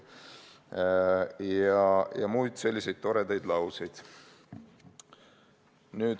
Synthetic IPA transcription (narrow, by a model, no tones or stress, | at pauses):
jɑjɑmuːjd̪̥se̞lʲːise̞jd̪̚t̪o̞ɾed̪ɑjd̪lɑwsijd̪̥ | nyːd̪̥